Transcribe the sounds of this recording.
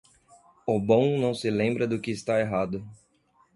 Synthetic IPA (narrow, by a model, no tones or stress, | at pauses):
ʊbõw̃nɐ̃w̃sɪlẽmbɾɐd̪ʊkɪːst̪aeɦad̪ʊ